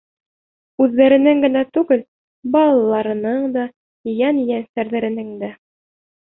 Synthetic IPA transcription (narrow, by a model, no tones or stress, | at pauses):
ʉðːæɾɘ̆nɘŋɡɘ̆næt̪ʉɡɘl | bɑlˠɑlːˠɑɾɤ̆nɤɴd̪ɑ | jænjænsæɾðæɾɘ̆nɘŋd̪æ